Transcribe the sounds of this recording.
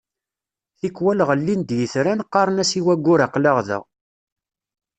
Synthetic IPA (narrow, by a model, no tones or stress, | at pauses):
θikwælʁəlːind̪jəθɾænqːɑɾˤnæsiwæɡʷːʊɾaqləʁðə̰ʁ